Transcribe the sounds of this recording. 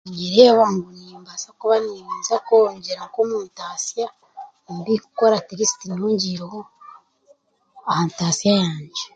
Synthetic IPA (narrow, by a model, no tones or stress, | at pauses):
ɲɡiɾeβaŋɡuniːmbasakuβaniβiːnzakoɲɟeɾaŋkomuːntaːsija | mbiku̥koɾateɾisi̥tinuːɲɟiɾoho | ahamtaːsijajaːɲɟe